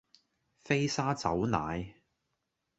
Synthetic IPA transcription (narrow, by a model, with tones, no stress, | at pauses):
fe˥jsaː˥t͡sɐ˨˥wna̰ː˨˧j